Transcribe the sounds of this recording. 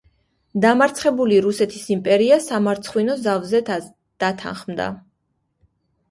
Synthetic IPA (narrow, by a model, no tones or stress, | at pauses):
d̪amaɾt̪sʰχɛbuliɾusɛt̪ʰisimpʼɛɾiasamaɾt̪sʰχwinɔzavzɛ | d̪̥at̪ʰa̰nχmd̪a̰